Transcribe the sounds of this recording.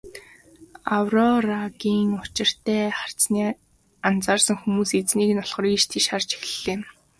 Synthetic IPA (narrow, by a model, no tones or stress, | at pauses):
awrɔraɣiːŋʊt͡ɕɪ̆r̥t̪æːχar̥t͡sniː | ant͡saːrsə̆ŋxumuːset͡sniːkɘ̆nɔɮχɞ̆riːʃt̪ʰiʃart͡ɕe̥xɮeːm